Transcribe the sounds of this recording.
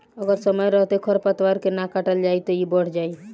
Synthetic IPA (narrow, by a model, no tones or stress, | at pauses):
əɡəɾsəməjɾəɦt̪ekʰəɾpət̪waɾkenakaʈəld͡ʒajt̪ɔibəɽ̤d͡ʒai